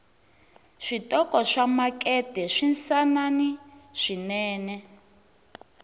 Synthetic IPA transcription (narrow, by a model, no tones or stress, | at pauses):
ʂitʼɔkɔʂamakʼɛd̥ɛʂinsananiʂinɛːnɛ